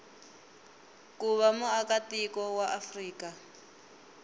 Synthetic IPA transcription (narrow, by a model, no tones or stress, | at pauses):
kuβamuakatikɔwaʔafriːka